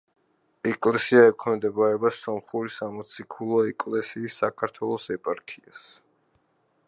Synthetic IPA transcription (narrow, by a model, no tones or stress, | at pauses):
ɛkʼlɛsiaɛkʰɛmd̪ɛbaɾɛbasɔmχuɾisamɔt̪sʰikʰulˠɔɛkʼlɛsiːsːakʰaɾt̪ʰwɛlˠɔsɛpʼaɾkʰias